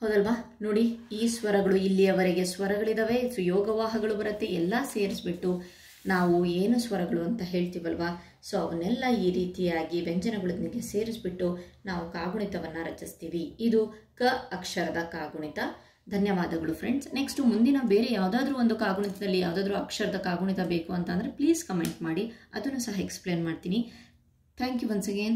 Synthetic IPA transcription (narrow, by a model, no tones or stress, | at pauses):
hɐwd̪ɐlʋaːno̞ːɽiiːsʋɐɾɐɡɐɭuilːijɐʋɐɾeɡe̞sʋɐɾɐɡɐɭid̪ɐʋe̞sʋijɔːɡɐʋaːɦɐɡɐɭubɐɾɐt̪ːeɛlːɐse̞ːɾisbiʈːu | naːʋueːnusʋɐɾɐɡɐɭuɐnt̪ɐɦe̞ːɭt̪iʋɐlʋaː | soːɐʋɐnːɛlːɐiːɾiːt̪ijaːɡibeɲd͡ʒɐnɐɡɐɭɐd̪nɡe̞se̞ːɾisbiʈːunaːʋukaːɡuɳit̪ɐʋɐnːuɾɐt͡ʃist̪iːʋiːd̪ukɐɐkʂɐɾɐd̪ɐkaːɡuɳit̪ɐ | d̪ʱɐnjɐʋaːd̪ɐɡɐɭufʰɾḛɳɖsneksʈumund̪inɐbe̞ːɾejaːʋd̪aːd̪ɐɾuːo̞nd̪ukaːɡuɳit̪ɐd̪ɐlːijaːʋd̪aːd̪ɐɾuɐkʂɐɾɐd̪ɐkaːɡuɳit̪ɐbe̞ːkuɐnt̪ɐnd̪ɐɾe̞pliːskɐme̞ɳʈmaːɽiɐd̪ɐnːusɐɦɐeksple̞ːnmaːɖt̪iːni | t̪ʰaːŋkjuʋɐnsɐɡeːnd